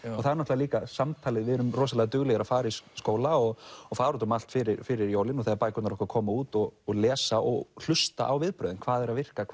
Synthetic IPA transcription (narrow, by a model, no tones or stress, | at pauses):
ɔθaðɛɾnɔtlaliːkasamt̪ʰaːlɪðvɪðɛɾʏmrɔːs̬alɛːɣat̪ʏɣlɛɣaɾaðfaːɾaisskoːwlaɔɣɔfaːɾɔt̪ʏmal̥t̪fɪɾɪɾfɪɾɪɾjoːwlɪnɔθaːaɾpaːjkʏt̪naɾɔhkakʰɔːmauːt̪ɔɣːɣlɛːsaʔɔ̰ɣl̥ʏst̪a̰ʔawvɪðpɾœːðʏnkʰv̥aːðɛɾaðvɪr̥kakʰ